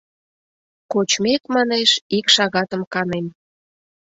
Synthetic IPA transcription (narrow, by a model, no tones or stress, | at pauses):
kot͡ɕmek̪mɑneʃikʃɑɣɑt̪əmkɑnem